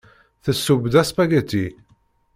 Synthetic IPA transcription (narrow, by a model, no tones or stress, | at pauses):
θəsːubd̪æspæɡæt̪ːi